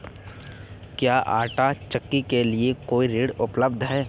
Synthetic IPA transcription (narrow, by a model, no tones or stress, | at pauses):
kjaːʔaːʈat͡ʃɐkːikeliekoːiɾiːɽʊpləbd̪ʱɦɛː